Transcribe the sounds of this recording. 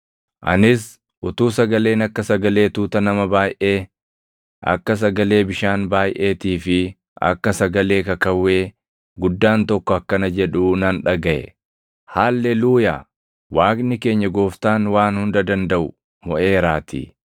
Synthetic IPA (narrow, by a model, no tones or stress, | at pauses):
ʔɐ̰nɪs | ʔʊt̪uːsɐɡɐle̞ːnɐkːɐsɐɡɐle̞ːt̪uːt̪ɐnɐmɐbaːjʔeː | ʔɐ̰kːɐs̬ɐɡɐle̞ːbɪʃaːnbaːjʔe̞ːt̪iːfɪ | ʔɐ̰kːɐsɐɡɐle̞ːkɐkɐwːe̞ː | ɡʊd̪ːaːnt̪ɔkːɔɐkːɐnɐd͡ʒɛᶑuːnɐnᶑɐɡɐʔɛ̰ | haːlːɛluːjaː | waːknɪke̞ːɲːɐɡo̞ːft̪aːnwaːnhʊnd̪ɐd̪ɐnd̪ɐʔʊ | mɔʔe̞ːɾaːt̪ʰḭː